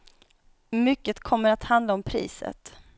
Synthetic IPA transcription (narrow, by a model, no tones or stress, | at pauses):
mʏkːət̪kʰɔmːəɾat̪hand̪laɔmpʰɾḭːsə̰t̪